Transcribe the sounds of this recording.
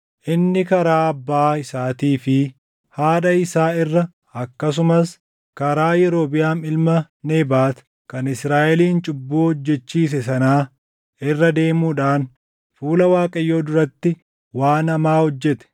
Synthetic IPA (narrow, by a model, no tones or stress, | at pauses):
ʔɪnːɪkɐɾaːɐbːaːɪsaːt̪iːfɪ | haːᶑɐɪsaːɪrːɐ | ɐkːɐs̬ʊmɐs | kɐɾaːjɛɾo̞ːbɪjaːnɪlmɐ | neːbaːt̪ | kɐnɪsɾaːʔɛliːnt͡ʃʼʊbːoːhɔd͡ʒːɛt͡ʃːiːs̬ɛsɐnaː | ɪrːɐd̪e̞ːmuːᶑaːn | fuːlɐwaːkʼɐjːo̞ːd̪ʊɾɐt̪ːɪ | waːnɐmaːhɔd͡ʒːɛt̪ɛ̥